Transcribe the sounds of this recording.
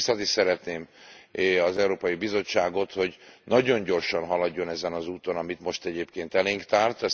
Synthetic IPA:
sɒt̪isɛɾɛt̪neːm | ɒzɛuɾoːpɒjibizo̞t͡ʃːaːɡo̞t̪ho̞ɟnɒɟo̞ɲɟo̞rʃɒnɦɒlɒɟːo̞nɛzɛnɒzuːt̪o̞nɒmit̪mo̞ʃt̪ɛɟeːpkeːnt̪ɛleːŋkt̪aːrt̪ɛ

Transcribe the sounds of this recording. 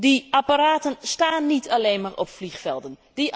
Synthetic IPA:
diʔapaɾaːtənstaːnːitʰaleːnmaːrɔpflixfɛlˠdəndi

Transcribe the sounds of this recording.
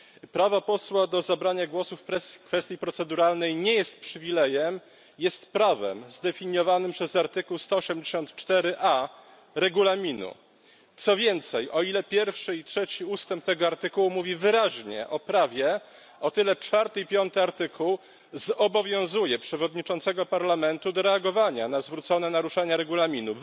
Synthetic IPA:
pɾavapɔswad̪ɔzabɾaɲaɡwɔsufɛkfɛst̪ʲjipɾɔt̪sɛd̪uɾalnɛjɲɛjɛst̪̚pʂɘvʲilɛjɛm | jɛst̪pɾavɛ̰mzd̪ɛfʲiɲjɔvanɘmpʂɛzaɾt̪ɘkuwst̪ɔːɕɛmd͡ʑɛɕɔnt̪t͡ʂt̪ɛɾɘʔa | ɾɛɡulamʲinṵ | t̪sɔvʲjɛnt̪sɛjʔɔilɛpʲjɛɾfʂɘitʂɛt͡ɕiust̪ɛmp̚t̪ɛɡɔaɾt̪ɘkuwumuvʲivɘɾaʑɲɛ̰ʔɔpɾavʲjɛ | ɔt̪ɘlɛt͡ʂfaɾt̪ɘipʲjɔnt̪ɘaɾt̪ɘkuw | zɔbɔvʲjɔ̃w̃zujɛpʂɛvɔd̪ɲit͡ʂɔnt̪sɛɡɔpaɾlamɛnt̪ud̪ɔɾɛaɡɔvaɲanazvɾut̪sɔnɛnaɾuʂaɲaɾɛɡulamʲinu

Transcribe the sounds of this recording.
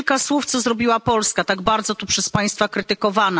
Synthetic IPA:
lkaswuft̪sɔzɾɔbʲiwapɔlskat̪aɡbaɾd̪zɔt̪upʂɛspaj̃st̪fakɾɘt̪ɘkɔvana

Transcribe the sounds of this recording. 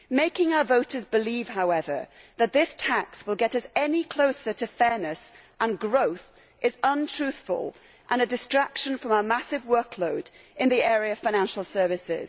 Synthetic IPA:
meɪkɪ̃ŋaʊə˞voʊɾə˞zbɨliv̥haʊɛvə˞ðɨt̪̚ðɪstʰakswəlˠɡɛɾʌsɛnikʰl̥oʊsə˞ɾɨfɛɹnɨs | ʔə̃nɡɹoʊθ | ʔɪzʌ̃ntʰɹ̥ʉˑθfə̰lˠ | ʔə̃nɨdɨstɹ̥akʃɨ̃nfɹʌ̃maʊəmasɨvwɜ˞kʰloʊdɨ̃nðiɛːɹiɨʌv̥fãɪ̃næ̃nʃl̩ˠsɜ˞vɨsɪ̰z̥

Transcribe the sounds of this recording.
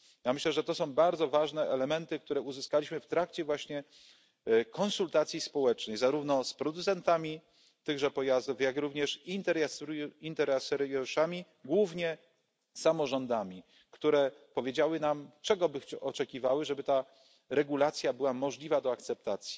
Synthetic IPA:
jamɘɕlɛʐɛt̪ɔsɔ̃w̃baɾd̪zɔvaʐnɛʔɛlɛmɛnt̪ɘk̚t̪uɾɛuzɘskalʲiɕmɘft̪ɾakt͡ɕɛvwaɕɲɛ | kɔnsult̪at̪sʲjispɔwɛt͡ʂnɛjzaɾuvnɔspɾɔd̪ut̪sɛnt̪amʲi | t̪ɘɣʐɛpɔjazd̪ufjakɾuvɲɛʂint̪ɛɾasɾint̪ɛɾasɛɾjɔʂamʲi | ɡwuvɲɛ | samɔʐɔnd̪amʲi | kt̪uɾɛpɔvʲjed͡ʑawɘnamt͡ʂɛɡɔbɘxʔɔt͡ʂɛkʲivawɘʐɛbɘt̪a | ɾɛɡulat̪sʲjabɘwamɔʐlʲivad̪ɔakt̪sɛp̚t̪at̪sʲji̥

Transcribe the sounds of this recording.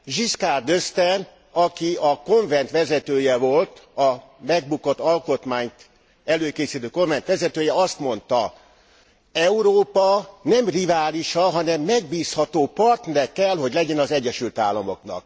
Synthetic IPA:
ʒiskaːrd̪øst̪ɛn | ɒkiɒko̞ɱvɛnt̪ʋɛzɛt̪øːjɛvo̞lt̪ɒ | mɛɡ̚bukot̪ːɒlko̞t̪maːɲt̪ | ɛløːkeːsit̪øːkoɱvɛnt̪ʋɛzɛt̪øːjɛɒst̪mo̞nt̪ɒ | ɛuɾoːpɒnɛmrivaːliʃɒɦɒnɛmːɛɡ̚biːshɒt̪oːpɒrt̪nɛɾɛkːɛlɦo̞ɟlɛɟɛnɒzɛɟːɛʃylt̪aːlːɒmo̞knɒ̰k̚

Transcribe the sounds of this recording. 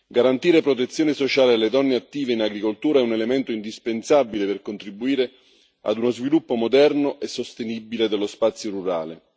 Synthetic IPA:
ɡaɾant̪iːɾepɾot̪̬et̪sːjoːnesot͡ʃaːlelːed̪ɔnːeat̪ːiːveinaɡɾikolt̪uːɾaɛunelement̪oind̪ispensabːileperkont̪ɾibːuiːɾe | a̰d̪unozvilupːomod̪ɛrnoʔesost̪enibiled̪elːospat̪sːjoɾuɾa̰ːle

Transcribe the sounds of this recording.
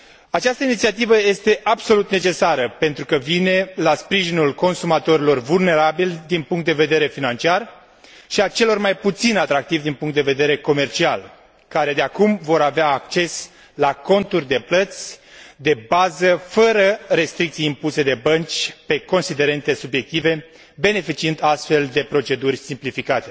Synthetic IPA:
at͡ʃast̪əinit̪siat̪ivəje̞st̪e̞ʔabso̞lut̪ne̞t͡ʃe̞saɾəpe̞nt̪ɾukəvine̞laspɾiʒinulko̞nsumat̪o̞ɾilo̞rvulne̞ɾabilʲd̪inpuŋkt̪d̪eve̞d̪e̞ɾe̞finant͡ʃiar | ʃiat͡ʃe̞lo̞rmajput̪sinat̪ɾak̚t̪ivd̪inpuŋkt̪d̪e̞ve̞d̪eɾe̞ko̞me̞rt͡ʃia̰l | kaɾe̞d̪eakumvo̞ɾaveaːk̚t͡ʃe̞s | lako̞nt̪urʲd̪e̞plət̪sʲd̪e̞bazəfəɾəɾe̞st̪ɾik̚t̪sijimpuse̞d̪e̞bənt͡ʃʲpe̞ko̞nsid̪e̞ɾe̞nt̪e̞subje̞k̚t̪ive̞ | be̞ne̞fit͡ʃiɨnd̪ast̪fe̞ld̪e̞pɾot͡ʃe̞d̪urʲsimplifikat̪e̞

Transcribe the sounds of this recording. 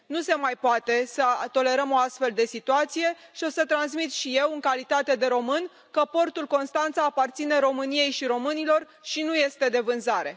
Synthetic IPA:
nuse̞majpoat̪e̞sət̪o̞le̞ɾəmo̞ast̪fe̞ld̪e̞sit̪uat̪sije̞ʃio̞sət̪ɾans̬mit̪ʃije̞wɨŋkalit̪at̪e̞d̪e̞ɾo̞mɨn | kəpo̞rt̪ulko̞nst̪ant̪saːpart̪sine̞ɾo̞mɨnije̞jʃiɾo̞mɨnilo̞r | ʃinuje̞st̪e̞d̪e̞vɨnzaɾe̞

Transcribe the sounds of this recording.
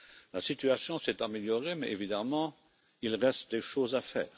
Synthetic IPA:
lasit̪yasjɔ̃sɛt̪ameljɔʁemɛ̰ʔevid̪amɑ̃ | ilʁɛst̪̚d̪eʃozafɛ̰ːʁ

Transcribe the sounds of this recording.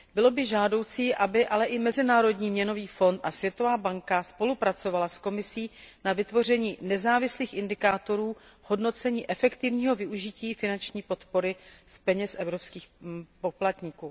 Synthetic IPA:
bɪlo̞bɪʒaːdo̞wt͡siːʔabɪʔalɛʔɪmɛzɪnaːɾo̞dɲiːmɲɛno̞viːfo̞nt̪ʔasvjɛt̪o̞vaːbaŋkaspo̞lupɾat͡so̞valasko̞mɪsiːnavɪt̪vo̞r̝ɛɲiːnɛzaːvɪsliːxɪndɪkaːt̪o̞ɾuːho̞dno̞t͡sɛɲiːʔɛfɛkt̪ɪvɲiːɦo̞vɪʔuʒɪciːfɪnant͡ʃɲiːpo̞t̪po̞ɾɪspɛɲɛsʔɛvɾo̞pskiːxpo̞plat̪ɲɪkuː

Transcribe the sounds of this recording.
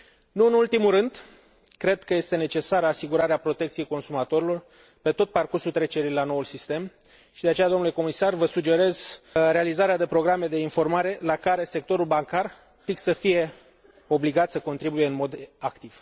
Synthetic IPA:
nuɨnult̪imuɾɨnd̪ | kɾe̞d̪kəje̞st̪e̞ne̞t͡ʃe̞saɾəasiɡuɾaɾeapɾo̞t̪e̞kt̪sie̞jko̞nsumat̪o̞ɾilo̞r | pe̞t̪o̞t̪̚parkursult̪ɾe̞t͡ʃe̞ɾijlano̞ulsist̪e̞m | ʃid̪e̞at͡ʃead̪onule̞ko̞misarvəsud͡ʒe̞ɾe̞zɾe̞alizaɾead̪e̞pɾo̞ɡɾame̞d̪e̞info̞rmaɾe̞lakaɾe̞se̞k̚t̪o̞ɾulbaŋkar | iksəfije̞ | o̞bliɡat̪səko̞nt̪ɾibujeɨnmo̞d̪akt̪iv̥

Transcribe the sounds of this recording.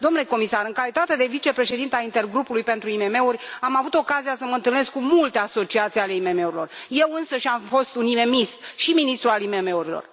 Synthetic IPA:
d̪o̞mnuleko̞misaɾɨŋkalit̪at̪e̞d̪e̞vit͡ʃe̞pɾe̞ʃed̪int̪eaint̪e̞rɡɾupulujpe̞nt̪ɾuime̞me̞uɾʲamavut̪o̞kazijasəməɨnt̪ɨlne̞skːumult̪e̞aso̞t͡ʃiat̪siale̞ime̞me̞uɾilo̞̰rje̞wɨnsəʃʲamfo̞st̪unime̞mist̪ʃiminist̪ɾualime̞me̞uɾilo̞̰r

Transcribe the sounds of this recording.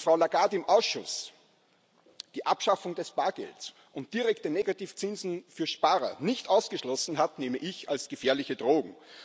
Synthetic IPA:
fʁ̥aʊlaɡaɐtɪmʔaʊsʃʊ̰s | d̥iːʔapʃafʊŋdɛsb̥aːɐɡɛ̰lts | ʔʊnt̚d̥iʁɛktəneɡatiːft͡sɪnzn̩fyːɐʃpaːʁɐ̰nɪçtʔaʊsɡ̥əʃlɔsn̩ɦatneːməʔɪça̰lsɡ̥əfɛːɐlɪçədʁoːɡŋ̩

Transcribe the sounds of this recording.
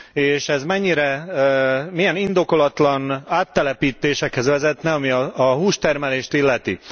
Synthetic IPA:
eːʃɛzmɛɲːiɾɛ | mijɛnind̪o̞ko̞lɒt̪lɒnaːt̪ːɛlɛpiːt̪eːʃɛkhɛzʋɛzɛt̪nɛɒmiɒɒɦuːʃt̪ɛrmɛleːʃt̪ilːɛt̪ḭ

